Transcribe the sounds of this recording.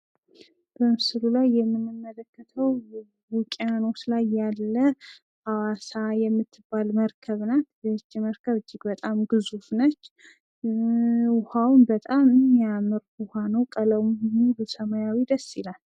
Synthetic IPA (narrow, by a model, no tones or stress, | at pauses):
b̥əmɨsɨlulajːɛmːɨnːɨmːələkːət̪ʰəw | kʼijano̞t͡ʃlajːalːə | awasajɛmːɨt̪ʰːɨbalməɾkʰəβnat̪bt͡ʃːɛməɾkʰəβɨd͡ʒːɪɡbət̪ʼamɡɨzufnət͡ʃː | wʊhawnbət̪ʼamɨnːijamɨɾʊhanəwkʼələwmhunubɨsəmajawid̪əsːilal